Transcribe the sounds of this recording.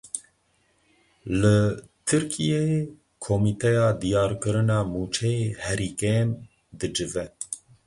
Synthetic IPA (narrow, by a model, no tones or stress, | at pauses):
lɨt̪ʰɨɾkʰijeje | kʰomiːt̪ʰɛjɑːd̪ijɑːɾkɨɾɨnɑːmuːt͡ʃʰɛjeːhɛɾiːkɛn | d̪ɨd͡ʒɨvɛ